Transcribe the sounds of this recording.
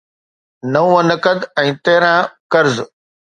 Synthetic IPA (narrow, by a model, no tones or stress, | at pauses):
nɐũə̃nəkəd̪ɛ̃ːt̪eːɾãːkɐɾz